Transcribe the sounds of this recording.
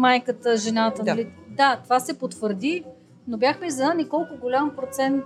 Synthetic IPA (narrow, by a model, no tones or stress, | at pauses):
majkət̪əʒɛnat̪ənlid̪at̪ovasɛpot̪vəɾd̪i | nobʲjaxmɛizɐnanikɔlˠkʊɡolʲampɾot̪sɛnt̪